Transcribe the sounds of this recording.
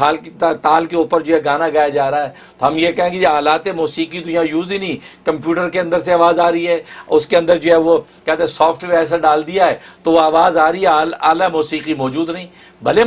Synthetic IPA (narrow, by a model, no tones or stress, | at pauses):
aːlt̪aːlkeuːpəɾd͡ʒoːɦɛɡaːnaɡaːjad͡ʒaːɾaɦɛː | t̪oɦɐmjekɛɦẽɡed͡ʒeɦaːlaːt̪ɛmoːsiːqit̪ojãjuːzinĩːkɐmpjuːʈəɾkeɐ̃nd̪əɾseaːʋaːzaːɾəiɦɛːʊskeɐ̃nd̪əɾd͡ʒoːɦɛʋokɛːt̪ẽsɔːfʈʋeːɾɛːs̬aɖaːld̪ijaɦɛːt̪oʋoaːʋaːzaːɾəiɦɛaːlaːlamoːsiːqimɔːd͡ʒuːd̪nɐɦĩː | bɐle